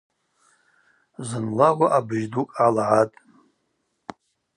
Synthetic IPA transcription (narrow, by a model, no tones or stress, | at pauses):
zɨnlawʷaʔabɨʒdukʼalʕatʼ